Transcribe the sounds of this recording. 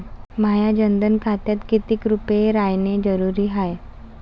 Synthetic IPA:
majad͡ʑənd̪ənkʰat̪jat̪kit̪iːkɾupeɾajned͡zəɾuɾiːɦaj

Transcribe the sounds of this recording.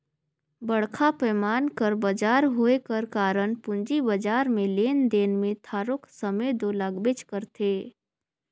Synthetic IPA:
bəɽkʰapɛːmaːnkəɾbəd͡ʒaːɾɦoekəɾkaːɾəɳpʊ̃nd͡ʒibəd͡ʒaːɾmẽleːnd̪eːnmẽt̪ʰaːɾoksəmed̪olaɡbet͡ʃkəɾt̪ʰeː

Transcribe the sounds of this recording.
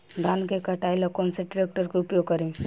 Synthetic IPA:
d̪ʱaːnkekɐʈaːilakoːnseɖɪɾeːk̚ʈəɾkeʊpjoːɡ̚kɐɾẽ

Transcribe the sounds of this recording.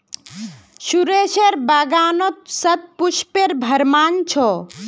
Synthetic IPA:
suɾeseɾbaɡaːnɔt̪̚sət̪̚puʃpeɾbʱəɾmaːnt͡ʃʰɔ

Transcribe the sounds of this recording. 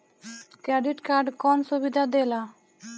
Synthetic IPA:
kɾɛɖiʈkaɾɖkɔnsubid̪ʱad̪ela

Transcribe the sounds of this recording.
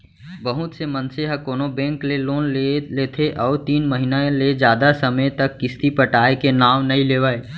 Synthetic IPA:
bəɦʊt̪semɐnseɦɐkoːnobɛ̃ːŋkleloːnleleːt̪ʰeʔɔːɾt̪iːnməɦinaled͡ʒjaːd̪asɐməjt̪ɐkːɪst̪ipɐʈaːekenaːʋnɐɦĩleːʋaːe

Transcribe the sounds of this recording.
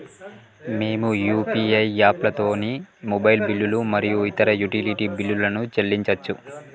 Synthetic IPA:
me̞ːmujuːpiɐjaːplɐt̪o̞ːnimobɐjlbilːulumɐɾijuit̪ɐɾɐjuʈiliʈibilːulɐnut͡ʃelːiɲt͡ʃɐt͡ʃːu

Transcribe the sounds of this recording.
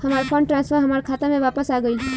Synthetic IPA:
həmaɾpʰəɳʈɾãnspʰəɾɦəmaɾkʰat̪amẽʋapəsaɡəi

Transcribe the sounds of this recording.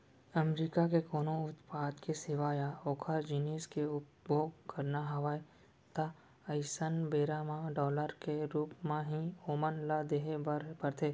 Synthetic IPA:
əmɾiːkakekoːnõʊt̪paːd̪kesɪʋaːjaoːkʰəɾd͡ʒɪneːskeʊpbjoːɡkɐɾnaɦɐʋaːe | t̪a | əɪsənbeːɾamãɖɔːləɾkeɾuːpmãɦĩoːmənlad̪eɦepəɾt̪ʰeː

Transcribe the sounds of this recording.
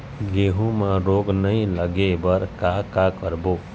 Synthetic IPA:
ɡeːɦũmãɾoːɡnəɦĩləɡebəɾkakakəɾboː

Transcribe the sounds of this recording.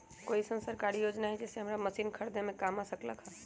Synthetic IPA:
koːisənsəɾkaːɾijoːd͡ʒnaɦɛd͡ʒeːseɦəmɾaməsiːnkʰəɾd̪emẽkaːmasəklə̰kɦa

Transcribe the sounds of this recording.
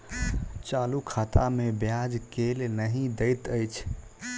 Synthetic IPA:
t͡ʃalukʰat̪amebjad͡ʒkelnəɦĩd̪əjt̪əjt͡ʃʰ

